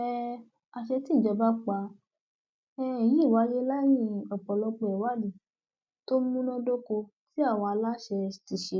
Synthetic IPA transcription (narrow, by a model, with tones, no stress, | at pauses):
ɛ˦ | a˨ʃɛ˧ti˦˨d͡ʒɔ˧˦ba˦k͡pa˧˦ | ɛ˦˨jĩ˨˦˨wa˨˧˦je˦la˦j̃ĩ˦˨ɔ˨k͡pɔ˨lɔ˧k͡pe˧˨ɛ˨wa˦li˦˨ | to˦mũ˦nɔ̃˦do˦ko˧ | ti˦a˦˨w̃ɔ̃˧a˧la˦ʃɛ˧ti˧˨ʃe˧˦